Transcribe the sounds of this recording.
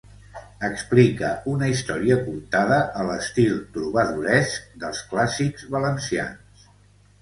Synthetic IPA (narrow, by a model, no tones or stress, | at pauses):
əksplikəunəist̪ɔɾiəkuɾt̪aðəʔːləst̪ilˠt̪ɾuβ̞əðuɾɛsk̚d̪əlˠsklasikzβələnsia̰nss